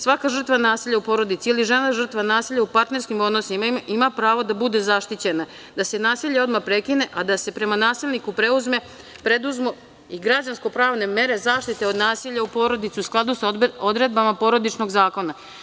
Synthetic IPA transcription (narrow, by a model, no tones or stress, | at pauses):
sʋakaʒr̩t̪ʋanaːsiʎaupo̞ːɾo̞d̪it̪sialiʒe̞naʒr̩t̪ʋanaːsiʎaupaɾt̪ne̞ɾskimo̞d̪nosimaimapɾaːʋo̞d̪abud̪e̞zaʃt̪it͡ɕe̞na | d̪ase̞naːsiʎao̞d̪mapɾe̞kine̞ʔad̪ase̞pɾe̞manaːsilʲnikupɾe̞uzme̞ | pɾe̞d̪uzmo | iɡɾad͡ʑansko̞pɾaːʋne̞me̞ɾe̞zaːʃt̪it̪e̞o̞d̪naːsiʎaupo̞ɾo̞d̪it̪siusklˠad̪usod̪ɾe̞d̪̚bamapo̞ɾo̞d̪it͡ʃno̞ɡzaːko̞na